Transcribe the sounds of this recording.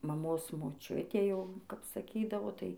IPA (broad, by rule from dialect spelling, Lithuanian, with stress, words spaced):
mɐˈmoːs moːˈt͡ʃʲʊtʲeː ˈjɛʊ ˈkɐp sɐˈkʲiːdɐʋoː ˈtɐɪ